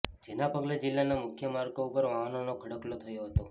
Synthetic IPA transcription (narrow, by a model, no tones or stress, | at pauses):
d͡ʒenapəɡled͡ʒɪlːanamʊkʰjəmaɾkoupəɾʋaɦanonokʰəɽəklot̪ʰəjoɦət̪o